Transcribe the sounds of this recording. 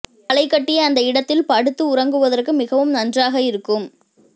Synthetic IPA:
ɐɭɐɪkːɐʈːɪjɐːnd̪ɐɪɽɐt̪ːɪlpɐɽɯt̪ːɯʊrɐŋɡɯʋɐðɐrkɯmɪɣɐʋɯmnɐndraːɣɐɪɾɯkːɯm

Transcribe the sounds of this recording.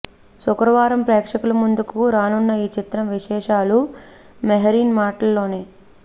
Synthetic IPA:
sukɾɐʋaːɾɐmpɾɛːkʂɐkulɐmund̪ukuɾaːnunːɐiːt͡ʃit̪ɾɐmʋiʃɛːʂaːlu | meɦɐɾiːnmaːʈɐlːo̞ːne̞ː

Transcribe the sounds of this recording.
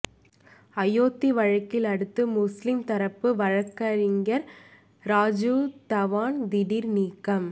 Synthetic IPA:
ɐjoːt̪ːiʋɐɻɐkːɪlɐɽɯt̪ːɯmʊslɪmt̪ɐɾɐpːɯʋɐɻɐkːɐɾɪŋɡɐɾ | ɾaːd͡ʒut̪ɐʋaːnd̪ɪɽiɾniːkːɐm

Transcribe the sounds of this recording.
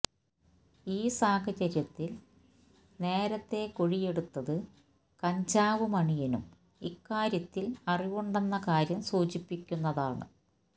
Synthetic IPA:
iːsaːɦɐt͡ɕɐɾjɐt̪ːil | ne̞ːɾɐt̪ːe̞koɻije̞ɽut̪ːɐðɨ | kɐɲd͡ʑaːʋumɐɳijɐnum | ikːaːɾjɐt̪ːilɐriʋoɳɖɐnːɐkaːɾjɐmsuːt͡ɕipːikʲːunːɐðaːɳɨ̰

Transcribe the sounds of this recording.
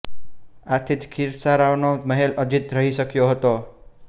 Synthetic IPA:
at̪ʰit̪kʰiɾsaɾaʋnoməɦelʔəd͡ʒit̪ɾəɦiʃəkjoɦət̪o

